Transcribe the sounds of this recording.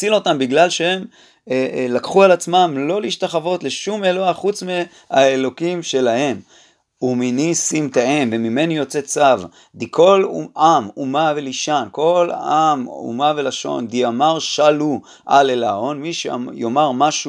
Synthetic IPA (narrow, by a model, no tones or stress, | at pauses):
t͡silo̞t̪ambiɡlalʃeem | lakχualat͡smamlo̞liʃtaχavo̞t̪le̞ʃumeloaχut͡sme | aelo̞kimʃe̞lahe̞m | uminisimt̪aemvemime̞nijo̞t͡se̞t͡sav | d̪ikʰo̞lamumaveliʃanko̞lamṵmavelaʃo̞̰nd̪iamaʁʃalu | ʔalelao̞nmiʃḛjomaʁmaʃu